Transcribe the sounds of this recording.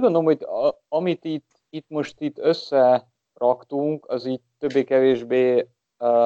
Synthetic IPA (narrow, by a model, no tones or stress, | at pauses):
uɟɡond̪olomhoɟɒ | ɒmit̪it̪ː | it̪mo̞ʃt̪it̪ːøsːɛ | rɒkt̪uŋkɒziːc̚t̪ːøbːeːkɛveːʒbeː